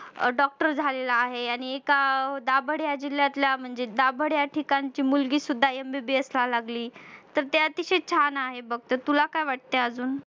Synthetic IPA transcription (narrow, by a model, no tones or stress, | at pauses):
ɖɔk̚ʈəɾd͡zʱalelaːɦeaɽ̃iekad̪abəɽjad͡ʑiljat̪ljam̤əɳd͡zed̪abʱəɽjaʈʰikaɲt͡ɕiːmulɡiːsud̪ʱːajembebeəslalaɡliːt̪əɾt̪jaət̪iɕet͡ɕʰanaɦebəɡ̚t̪ət̪ulakajʋaʈ̚t̪eəd͡zuːn